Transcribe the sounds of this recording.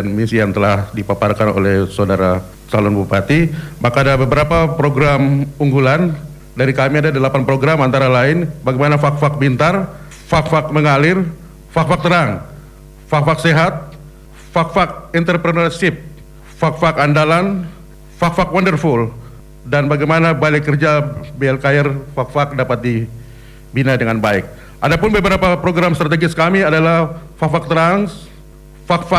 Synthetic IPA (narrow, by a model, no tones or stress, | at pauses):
nmisijaŋt̪əlahdipaparkano̰lɛhsaodaɾa | t͡ʃalʊnbupat̪imakaːdabəbəɾapapɾoɡɾamuŋɡulan | daɾikamiadadəlapanpɾoɡɾamant̪aɾalaɪnbaɡajmanafak̚fak̚bint̪ar | fak̚fak̚məŋalɪr | fak̚fak̚t̪əɾaŋ | fakfak̚seɦat̪̚ | fak̚fak̚int̪ərpɾənɔrsɪp̚ | fak̚fakandalan | fakfakwɔndərfʊl | danbaɡajmanabalɛkərd͡ʒabeɛlkaɛrfak̚fak̚dapat̪̚di | binadəŋanbaɪ̰k̚ | ʔadapʊnbəbəɾapapɾoɡɾamst̪ɾat̪eɡɪskamiadalahfak̚fak̚t̪əɾaŋs | fak̚fa